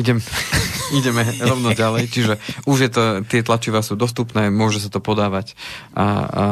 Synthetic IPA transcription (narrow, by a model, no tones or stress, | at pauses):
iɟɛm | iɟɛmɛɾɔʊnɔɟalɛjt͡ʃiʒɛuʒjɛt̪ɔt̪ɪɛt̪lat͡ʃiʋasuːd̪ɔs̬t̪upnɛːmʊɔʒɛsat̪ɔpɔd̪aːʋacʔa̰